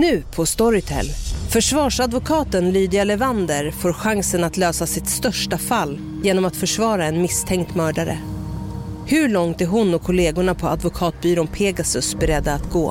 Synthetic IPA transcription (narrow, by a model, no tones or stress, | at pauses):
nʉ̟ːpʰɔst̪ɔɾɪt̪ʰɛ̰lfœʂvɑːʂad̪vʊkʰɑːt̪ənlyːd̪ɪalɛvand̪əɾfoːɾɧaŋsənat̪løːsasɪt̪st̪œʂʈafalː | jeːnɔmat̪fœʂvɑːɾaɛnmɪst̪ʰɛŋkt̪mœːɖaɾə̰ | hɵ̟ɭɔŋt̪æɾɦʊnːɔkʰːɔleːɡʊɳapʰɔad̪vʊkʰɑːt̪̚byːɾʊnpʰeːɡasɵsbɛɾɛd̪ːaːt̪ɡo̰ː